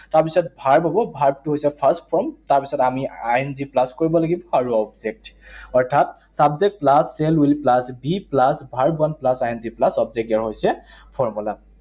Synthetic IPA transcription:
taɹpisɔtbʱaɹbʱaɡɔbʱaɹbtʊɦojsɛpʰastpʰɔmtaɹpisɔtamiajnziplaskoɹibɔlaɡibɔaɹuɔbzɛk̚tɔɹtʰat | sabzek̚t̚plasːɛlilplasbiplasbʱaɹbuanplasajnziplasɔbzek̚taɹɦojsɛpʰɔɹmula

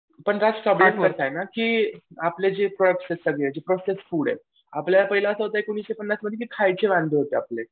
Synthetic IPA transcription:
pəɳɾat͡spɾɔbleʈkəɾt̪ajnakiːapled͡ʑepɾoəkʈsesəɡɭed͡ʑepɾosesfuɽḛ | apljalapəɦilaəsəɦot̪aekuɽ̃iːsɕepənːasməd̪ʱːjekikʰajt͡seʋãnd̪ʱeɦot̪eaple

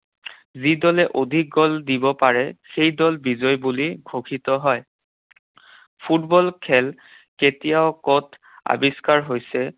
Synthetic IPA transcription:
zidɔlɛʔodʱik̚ɡɔldibɔpaɹɛxejdɔlbizɔjbuliɡʱokʰitɔɦɔj | pʰutbɔlkʰɛl | ketijaʊkɔtʰ | a̰biskaɹɦojsɛ

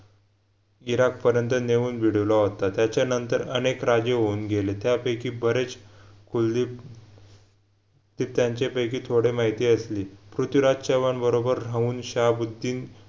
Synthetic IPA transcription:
iɾak̚pəɾjənt̪əneʋuːnbʱiɽ̤əʋlaɦot̪at̪jat͡ɕjanənt̪əɾənekɾad͡ʑeɦouːnɡʱelet̪japəjkiːbəɾet͡skʰuldi | d̪iːp̚t̪jaɲt͡ɕepəjkiːt̪ʰoɽemaɦit̪iːəsliːpɾut̪iɾad͡ʑɕaʋanbəɾobəɾɾauːnɕabud̪ʱːiːn

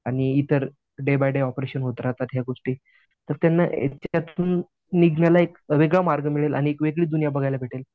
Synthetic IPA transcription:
aɽ̃iit̪əɾ | ɖebajɖeɔpɾeɕənɦot̪ɾat̪at̪ɦjaɡoʂʈiː | t̪əɾt̪janːaḛt͡ɕat̪uːnː | iɡnjalaekəʋeɡɭamaɾɡəmiɭela̰ɽ̃iekʋeɡɭiːd̪unjabəɡʱajlabʱeʈel

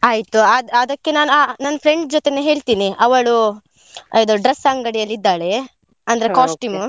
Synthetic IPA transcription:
aːjt̪uɐd̪ɐd̪ɐkːe̞naːnuaːnaːnɐpʰɾe̞ɳɖd͡ʒɔt̪eneɦe̞ːɭt̪iːniʔɐʋɐɭu | ɐjd̪oɖɾesɐŋɡɐɽijɐlːid̪ːaːɭe̞ | ɐnd̪ɐɾekaːʂʈuːm

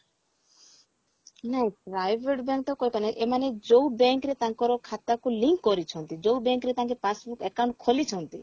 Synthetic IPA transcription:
naĩpɾajbʱeʈbɛ̃ŋk̚t̪ɔkɔjipanaʔemaned͡ʒowbɛŋkɾet̪ãŋkɔɾɔkʰat̪akuliŋkːɔɾit͡ʃʰɔnt̪id͡ʒowbɛŋkɾet̪ãŋk̬epasbukɛkaw̃ɳʈkʰolit͡ʃʰɔnt̪i

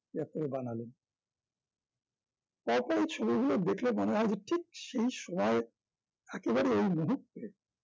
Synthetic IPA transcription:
ɛkt̪oɾebanalen | pɔɾpɔɾit͡ɕʰobiɡʱulod̪ekʰlemoneɦɔed͡ʑeʈʰik̚ʃejʃɔmɔe | ɛkebaɽiejmuɦut̪ːe

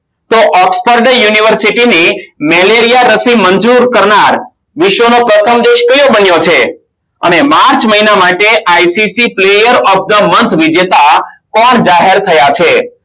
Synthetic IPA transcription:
t̪oʔɔkspəɾɖəjuniʋəɾsiʈinimɛleɾijaɾəsimənd͡ʒuɾkəɾnaɾ | ʋɪʃʋənopɾət̪ʰəmd̪eʃkəjobənjot͡ʃʰe | ə̰nemaɾt͡ʃməɦinamaʈeʔajsisiplejəɾɔf̚d̪əmənt̪ʰʋid͡ʒet̪akɔɳd͡ʒaɦeɾt̪ʰəjat͡ʃʰe

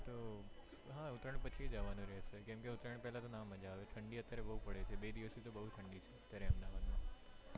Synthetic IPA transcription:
t̪o | ɦãʊt̪ɾəɳ̃pət͡ʃʰid͡ʒaʋanũɾɛɦʃekɛ̃mkeʊt̪ɾəɳ̃pɛɦlat̪onaməd͡ʒaʋet̪ʰəɳɖiət̪jaɾebəɦupəɽet͡ʃʰebed̪iʋəst̪ʰit̪obəɦut̪ʰəɳɖit͡ʃʰeət̪jaɾeəmd̪aʋad̪ma

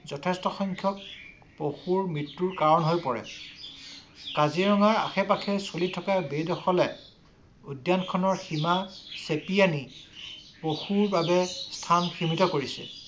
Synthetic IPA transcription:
zɔtʰɛstɔxɔŋkʰjɔk̚ | poxuɹmɹitːuɹkaɹɔnɦojpɔɹɛ̰ | kaziɹɔŋaɹa̰xɛpakʰɛsolitʰɔkabedɔxɔlɛ | udjankʰɔnɔɹximasepiani | poxuɹbabɛstʰanxʰimitɔkoɹisɛ̰

